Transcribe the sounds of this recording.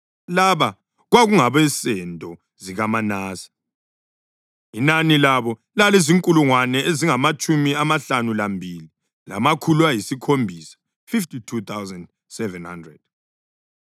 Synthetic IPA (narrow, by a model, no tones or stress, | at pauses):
laβa | ɣwaɣuŋaβɛsɛntʼɔ | ziɣamanaːsḁ | inanilaβɔ | laleziŋkʼuluŋwanɛeziŋamat͡ʃʼumiamaɬanulambʱili | la̰makʰuluajisikʰombʱiːsḁ | fiftitʰut̪ʰawzand | sɛvɛnhandrɛ̰d̥